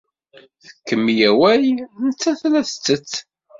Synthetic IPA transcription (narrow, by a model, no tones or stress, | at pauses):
θə̥kːəmːjæwæjnət͡sːæθlæθt͡sːət͡sː